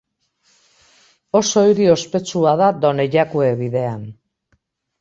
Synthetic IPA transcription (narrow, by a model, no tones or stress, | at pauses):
o̞so̞iɾio̞spe̞t͡suað̞ad̪o̞ne̞ʎakue̞βiðe̞an